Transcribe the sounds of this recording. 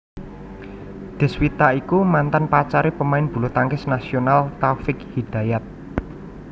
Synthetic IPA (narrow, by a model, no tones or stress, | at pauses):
d̪̥ɛ̤swit̪aʔikumant̪anpat͡ʃaɾepəmaɪnb̥ṳlot̪aŋkɪsnasionalt̪afɪkhid̪̥a̤jat̪̚